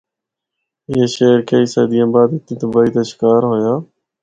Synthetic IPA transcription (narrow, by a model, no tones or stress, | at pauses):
ɪeːʃeːɾkʰeːiːsə̰ːd̪ijãːbaːd̪ɪt̪ĩːt̪əbaːiːt̪eːʃɪ̥kaːɾɦoːjaː